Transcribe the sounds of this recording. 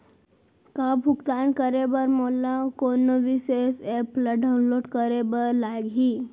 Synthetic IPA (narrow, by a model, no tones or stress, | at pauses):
kabʱukt̪ankəɾebəɾmolakonəʋisesepləɖawnloɽkəɾebəɾlaɡʱiː